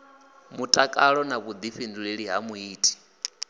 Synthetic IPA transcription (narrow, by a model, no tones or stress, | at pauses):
mutʼakʼaɺɔnaβud̪iɸinduɺeɺiɦamuiːtʼi̥